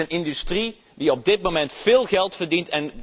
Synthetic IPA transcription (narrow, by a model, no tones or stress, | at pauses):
ənɪndystri | diɔb̚dɪt̚momɛntfɪːlˠɣɛlˠtfərdintɛn